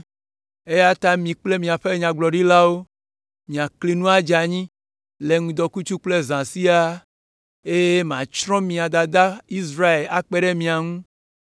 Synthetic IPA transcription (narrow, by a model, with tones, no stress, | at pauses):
e˦ja˦t̪a˦mĩ˨k͡ple˦mĩ˨a˨ɸe˦ɲã˨ɡ͡blɔ˨ɖi˦la˦wo˦ | mĩ˨a˨kli˨nũ˦a˦d͡ʒa˨ɲĩ˦ | le˨ŋũ˨d̪ɔ˨ku˦t͡ʃu˦k͡ple˦zã˨si˦a˦ | e˦jm˨ã̰˨t͡ʃɾɔ̃˦mĩ˨a˨d̪a˨d̪a˦i˦s̬ɾa˦e˨la˨k͡pe˦ɖe˦mĩ˨a˨ŋũ˦